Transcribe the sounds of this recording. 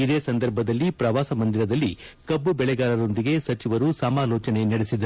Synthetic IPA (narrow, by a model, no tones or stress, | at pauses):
id̪eːsɐnd̪ɐɾbʱɐd̪ɐlːipɾɐʋaːsɐmɐnd̪iɾɐd̪ɐlːi | kɐbːubɛɭɛɡaːlɐɾo̞nd̪iɡe̞sɐt͡ʃiʋɐɾusɐmaːlɔːt͡ʃɐne̞nɐɽesid̪ɐɾ